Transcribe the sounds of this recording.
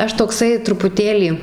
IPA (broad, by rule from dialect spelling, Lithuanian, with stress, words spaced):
ˈɐʃ toːkˈsɐɪ trʊpʊˈtʲeːlʲiː